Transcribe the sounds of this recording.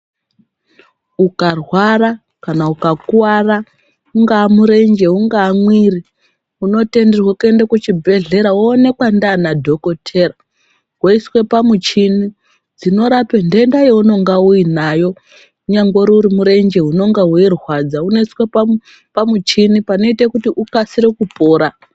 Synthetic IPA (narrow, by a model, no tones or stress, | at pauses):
ukarwara | kanaukakuwara | uŋɡaːmuɾe̞nd͡ʒe̞uŋɡaːmwiri | uno̞te̞nderwakue̞ndakut͡ʃibʱe̞ɮe̞ɾaoːne̞kwandanadʱo̞ko̞tʰe̞ːra | ɦwaiswe̞pamut͡ʃini | d͡zino̞ɾapendendajeuno̞ŋɡauinajo̞ | uɲaŋɡoɾuuɾimuɾe̞nd͡ʒe̞ɦuno̞ŋɡaɦuerɦwad͡zauno̞iswea | pamut͡ʃinipano̞itekutiʔukasiɾekupo̞ːɾa